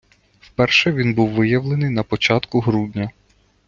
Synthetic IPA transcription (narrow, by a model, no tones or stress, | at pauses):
wpɛrʃɛʋʲinbuwʋɪjɐʋlˠenɪjnɐpɔt͡ʃɑt̪kʊɦɾudʲnʲɐ